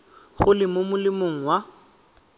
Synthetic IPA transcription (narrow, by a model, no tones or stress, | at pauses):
χʊlɪmomʊlɪmoŋ̩wa